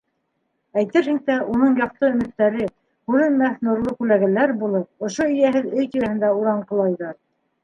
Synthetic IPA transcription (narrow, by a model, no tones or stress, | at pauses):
æjt̪ɘɾhɘ̆ŋt̪æʔunɤɴjɑq̚t̪ɤɵ̆mɘ̆t̪ːæɾɘ | kʉɾɘ̆nmæθnuɾlˠɤkʉlæɣælæɾbulˠɤp̚ŏʃoɵ̆jæɦɘðɵjt̪iɾæ̆hɘ̆nd̪æuɾɑɴqɤ̆lˠɑjðɤɾ